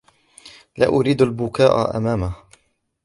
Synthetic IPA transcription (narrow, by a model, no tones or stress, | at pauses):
la̰ːʔʊɾiːd̪albʊkaːʔa̰ʔa̰maːmah